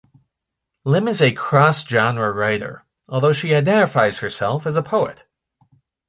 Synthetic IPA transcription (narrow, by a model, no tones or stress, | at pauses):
lɪ̃mɨzɨkʰɹ̥ɔsd̥ʒ̥ɑ̃nɹəɹaɪɾə̰˞ | ʔɔlˠðoʊʃiaɪdɛ̃ɾɨfaɪz̥hə˞sɛ̰lˠfɨzəpʰoʊɨ̰t̚